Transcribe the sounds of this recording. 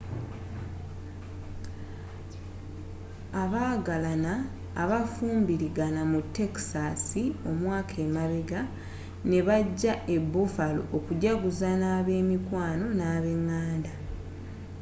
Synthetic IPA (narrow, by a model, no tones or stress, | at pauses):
aβaːɡalanaː | βafuːmbiɾiɡanamutːe̞ksasio̞mwaːkʰe̞ːmaβeɡa | ne̞βaɟːaʔe̞bːufalo̰ʔokuɟaɡuzanaːβe̞ːmikwaːno̞naːβe̞ŋːaːnda